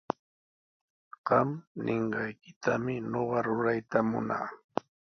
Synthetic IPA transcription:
ɢɑmnʔɪɴɢɑjkɪ̥t̪amɪɲoɢɑɾʊɾajt̪amʊ̰na̰ː

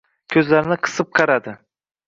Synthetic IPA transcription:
kʲʰɵzlaɾɪnɪqʰɨ̥sɨp̚qʰɑɾad̪ɪ

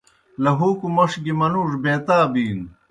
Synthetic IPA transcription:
lɐɦuːkumɐʂɡimɐnuʂbeːt̪aːbiːn

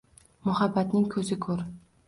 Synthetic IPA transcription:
mʊhabːat̪nɪŋkʰɵzɪkʰɵɾ

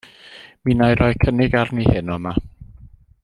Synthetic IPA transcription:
minajɾɔjkʰənɪɡarnihɪnɔma

